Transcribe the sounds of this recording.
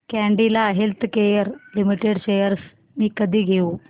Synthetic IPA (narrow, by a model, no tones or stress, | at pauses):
kɛɳɖilaɦelt̪ʰkejəɾlimiʈeɽɕejəɾs | miːkəd̪ʱiːɡʱeu